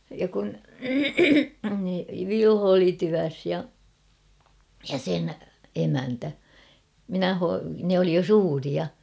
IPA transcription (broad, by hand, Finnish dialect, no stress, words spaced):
jɑ kun ʋilho oli tyæs jɑ jɑ sen emæntæ minæ ho nĕ oli jo suːriɑ